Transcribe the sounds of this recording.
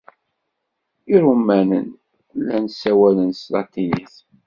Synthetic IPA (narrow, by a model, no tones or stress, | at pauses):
iɾumænə̰n | lænsːæwælənslɑ̰t̪ːiniθ